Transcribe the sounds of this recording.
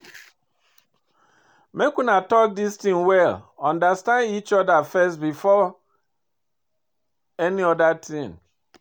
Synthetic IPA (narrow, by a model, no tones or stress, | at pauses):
mekunatɔk̚distĩŋwɛlɔ̃ndastãndit͡ʃɔdafɛstbifɔ | eniɔdatʰĩn